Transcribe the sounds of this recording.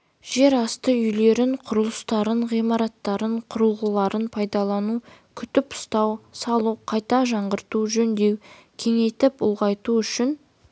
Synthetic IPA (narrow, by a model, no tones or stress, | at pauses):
ʒ̥e̞ɾɑst̪əʏjle̞ɾɪɴqʰʊɾəlˠəst̪ɑɾəɴʁijmɑɾɑt̪ːɑɾəɴqʰʊɾəlˠʁəlˠɑɾənpʰɑjd̪ɑlˠɑnukʲʰʏt̪ɪpʊ̥st̪ɑwsɑlˠuqʰɑjt̪ɑʒɑɴʁəɾt̪uʒɵnd̪e̞wkʲʰe̞ŋe̞jt̪ɪpʊ̰lˠʁɑjt̪uʏʃɪn